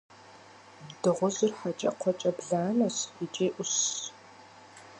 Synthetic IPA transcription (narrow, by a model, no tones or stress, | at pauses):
dɨʁʷʊzɨrħat͡ʃʼɐ̰qʷʰɔt͡ʃʼɐbɮaːnɐɕit͡ʃʼeːʔʷʊɕ